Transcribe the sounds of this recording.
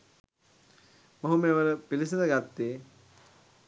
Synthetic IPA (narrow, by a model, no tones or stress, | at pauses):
moɦumeʋəɾəpilis̬inəɡat̪ːeː